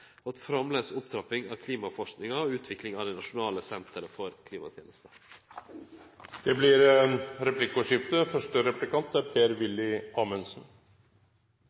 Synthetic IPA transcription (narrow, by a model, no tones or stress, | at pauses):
ɑt̪fɾɑmleːsʊpt̪ʰɾɑpɪŋɑːkʰliːmɑfɔʂknɪŋɑɔʉːt̪ʰʋɪklɪŋɑːd̪ɛɪnɑʂʊnɑːləsɛnt̪ʰəɾəfɔɾkʰliːmɑ̰t̪ʰjeːnəst̪ə̥ | d̪̥ɛblɪɾeɾɛplɪkːʊʂɪft̪əfœʂʈəɾɛplɪkɑnt̪æɾpʰeːɾʋɪlːɪɑːmɛnsn̩